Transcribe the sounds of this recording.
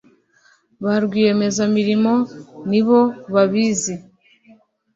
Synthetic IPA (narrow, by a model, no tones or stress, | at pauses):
βaɾɡwiːɾe̞me̞zamiɾimo̞niβo̞βaβizi